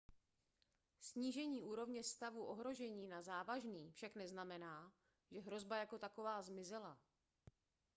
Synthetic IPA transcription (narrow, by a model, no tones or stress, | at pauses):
sɲiːʒɛɲiːʔuːɾo̞vɲɛst̪avuʔo̞ɦɾo̞ʒɛɲiːnazaːvaʒniːfʃaknɛznamɛnaː | ʒɛɦɾo̞zbajako̞t̪ako̞vaːzmɪzɛla